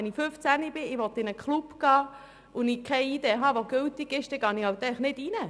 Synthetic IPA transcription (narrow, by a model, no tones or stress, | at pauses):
ɛniføft͡sænibɪɪʋɔt̪ɪnəkʰχlupɡ̥ɑː | ʊnɪkʰɛɪideɦɑʋoɡʏltɪɡ̥ɪʃd̥ɛɡɑːnihɑwt̪ɛɪχnɪdinə